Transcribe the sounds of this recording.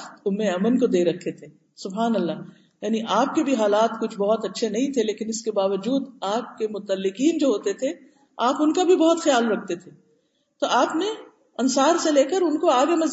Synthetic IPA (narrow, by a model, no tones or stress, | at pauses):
xt̪ʊmːeɐmənkod̪eːɾɐkʰːet̪ʰeː | sʊbɦaːnɐlːa | jaːniʔaːp̚kebʱiɦaːlaːt̪kʊt͡ʃʰbɔɦɔt̪ɐtːʃʰenɐɦĩt̪ʰeleːkɪnɪskebaːʋəd͡ʒuːd̪aːp̚kemʊt̪əlːɪqiːnd͡ʒoːɦoːt̪et̪ʰe | aːpʊnkabʱibɐɦɔt̪xɐjaːlɾɐkʰt̪et̪ʰe | t̪oaːpne | ɐnsaːɾseleːkəɾʊnkoaːɡemɐz